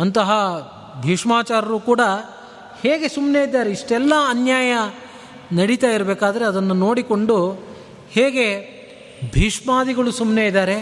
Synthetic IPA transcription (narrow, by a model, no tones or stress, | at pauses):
ɐnt̪ɐɦɐ | bʱiːʂmaːt͡ʃaːɾɐɾuːkuːɽɐ | heːɡe̞sumne̞id̪ːaːɾe̞iʂʈɛlːɐɐnjaːjɐ | nɐɽit̪aːjiɾɐbeːkaːd̪ɐɾeɐd̪ɐnːuno̞ːɽikoɳɖu | heːɡe̞ | bʱiːʂmaːd̪iɡɐɭusumneid̪aːɾe̞